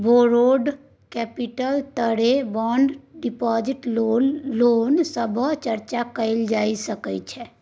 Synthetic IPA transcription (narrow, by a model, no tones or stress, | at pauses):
boɾoːɖ | kɛːpiʈəlt̪əɽeʋɔːɳɖɖɪpɔːd͡ʒɪʈ | loːnsəbʱət͡ʃəɾt͡ʃakəɪld͡ʒaːisəkət͡ʃʰɛ